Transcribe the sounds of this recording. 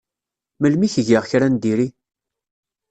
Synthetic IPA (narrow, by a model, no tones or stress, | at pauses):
məlmiçəʝiʁçɾænd̪iɾi